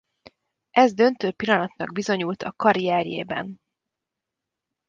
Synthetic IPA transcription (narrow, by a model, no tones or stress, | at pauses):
ʔɛzd̪ø̞nt̪øːpilːɒnɒt̪nɒ̰ɡbizo̞ɲult̪ʰɒkɒɾijɛːɾjḛːbɛ̰n